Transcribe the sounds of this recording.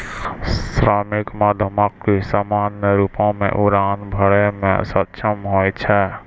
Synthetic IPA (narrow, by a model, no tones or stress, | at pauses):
sɾamikmad̪ʱəmakːisamaːnjəɾupõmḛ̃ʔuɾaːnbʱəɽemḛ̃sət̪ːt͡ʃʰəmɦoːt͡ʃʰɛ